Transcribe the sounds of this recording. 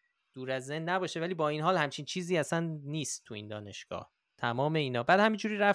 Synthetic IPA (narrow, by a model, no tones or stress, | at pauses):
d̪̥uːɾæzːenːæbɒːʃevæliːbɒːiːnɦɒːlhæmt͡ʃʰiːnt͡ʃʰiːziːæsænːiːst̪ʰːuḭːnd̪ɒ̰ːne̞ʃɡ̥ɒ̰ːh | t̪ʰæmɒːmeiːnɒːbæːd̪hæmind͡ʒuːɾiːɾæf